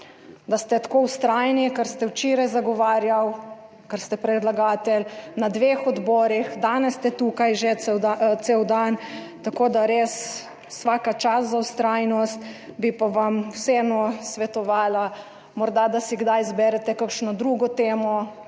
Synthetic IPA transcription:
d̪ast̪ɛt̪ḁkowst̪ɾajnikaɾst̪ɛwt͡ʃeːɾajzaɡɔʋaːɾjaw | kaɾst̪ɛpɾɛd̪laɡaːt̪ɛlnad̪ʋeːxɔd̪bɔːɾixd̪aːnɛsːt̪ɛt̪ukajʒɛt̪seːwd̪an | t̪akoːd̪aɾeːsː | ʋaːkat͡ʃaszawst̪ɾaːjnɔst̪bipaʋamwseːnɔsʋɛt̪ɔʋaːla | mɔɾd̪ad̪asiɡd̪ajzbɛɾɛt̪ɛkakʃnɔd̪ɾuɡɔt̪eːmɔ

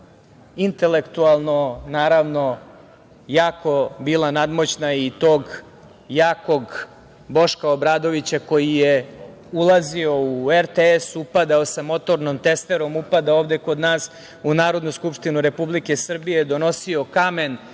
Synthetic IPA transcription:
int̪e̞le̞kt̪ualˠno̞naːɾaʋno̞ | jaːko̞bilˠanad̪mo̞t͡ɕnait̪o̞ːɡ | jaːko̞ɡ | bo̞ʃkaobɾaːd̪o̞ʋit͡ɕako̞jije | ulˠazio̞ueɾt̪eesupad̪aosamo̞t̪o̞ɾnomt̪e̞st̪e̞ɾo̞mupad̪aoːʋd̪eko̞d̪naːs | unaːɾo̞d̪nuskupʂt̪inuɾe̞publike̞sr̩bijed̪o̞no̞sio̞kame̞n

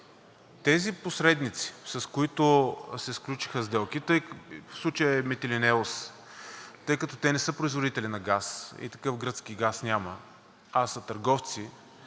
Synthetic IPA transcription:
t̪ɛziposɾɛd̪nit̪si̥sɐskoit̪ʊsɛsklʲut͡ʃi̥xəzd̪ɛlˠkit̪əjfslˠut͡ʃəjəɛmɛt̪ɛlinɛos | t̪ɤjkɐt̪ɔt̪ɛnɛsɤpɾoizvod̪it̪ɛlinɐɡasḭt̪ɐ̥kɤfɡɾɤt̪skiɡasnʲamɐ | asɐt̪ɐɾɡɔft̪si

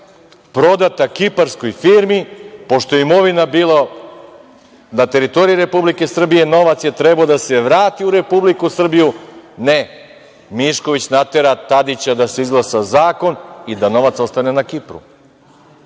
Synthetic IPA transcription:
pɾo̞d̪at̪akipaɾsko̞jfiːɾmipo̞ʃt̪o̞jeimo̞ʋinabiːlˠa | nat̪e̞ɾit̪o̞ɾijiɾe̞publike̞sr̩bije̞no̞ʋat̪sjet̪ɾebaod̪ase̞ʋɾaːt̪iuɾe̞publikusr̩bijune | miʃko̞ʋit͡ɕnat̪e̞ɾat̪ad̪it͡ɕad̪ase̞izɡlˠasazaːko̞nid̪ano̞ʋat̪so̞st̪anenakipɾṵ

